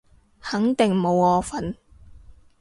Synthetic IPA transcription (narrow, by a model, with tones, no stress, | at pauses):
hɐ˨˥ŋt̪ɪ˨˩ŋmo˨˧wɔː˧fɐ˨˥n